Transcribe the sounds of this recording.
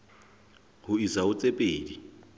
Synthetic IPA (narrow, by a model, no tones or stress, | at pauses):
hʊisaʊt͡sʼepʼeːdi